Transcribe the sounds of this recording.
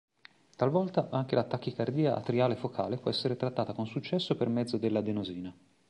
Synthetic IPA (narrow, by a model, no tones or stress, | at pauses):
t̪alvɔlt̪aʔaŋk̟elat̪ːak̟ːikard̪iːaʔa̰t̪ɾiaːlefokʰa̰ːlepwɔɛsːeɾet̪ɾat̪ːaːt̪akonsut͡ʃːɛsːopermɛd̪zːod̪elːad̪enoziːna